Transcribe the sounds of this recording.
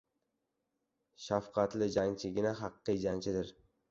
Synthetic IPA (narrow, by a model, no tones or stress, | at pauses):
ʃafqʰɑt̪lɪd͡ʒaŋt͡ʃʰɪɡʲɪnaɦɑqːɨd͡ʒaŋt͡ʃʰɪd̪ɪɾ